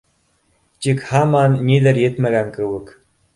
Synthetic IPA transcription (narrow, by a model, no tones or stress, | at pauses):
t̪ʲikhɑmɑnːʲid̪ɘ̆ɾjɘ̆t̪mæɡæŋkɘwɘ̆k